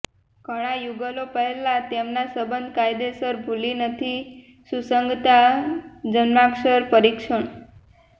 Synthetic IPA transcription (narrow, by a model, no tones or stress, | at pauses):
ɡ̥ʱəɽ̃ajuɡəlopəɦelat̪emnasəbənd̪ʱkajd̪esəɾbʱulinət̪ʰi | susəŋɡt̪a | d͡ʒənmakʃəɾpəɾikʃəɳ